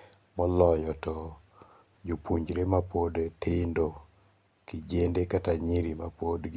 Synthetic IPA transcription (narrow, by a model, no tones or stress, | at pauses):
mɔlɔjɔtɔ | d͡ʒopʰuɲd͡ʒɾemapodtɪndo | kid͡ʒendekataɲiɾimapodɡ